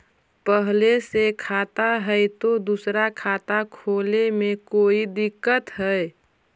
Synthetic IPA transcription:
pəɦlesekʰaːt̪aɦɛt̪od̪usɾakʰaːt̪akʰoːlemẽkoːid̪ɪkːət̪ɦɛe

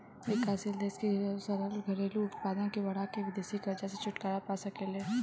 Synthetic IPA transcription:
eːkaːsɪld̪eːskisɐɾəlɡʱɐɾeːluʊt̪paːd̪ãkiʋɐɽ̃akeʋɪd̪eːsikɐɾd͡ʒaset͡ʃʰʊʈkaːɾapasɐkeleː

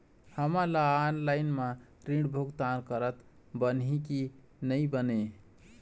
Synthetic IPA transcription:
həmalaanlaɪnmã | ɾĩɽbʱoɡt̪ankəɾət̪ | bənɦiki | nəjbəne

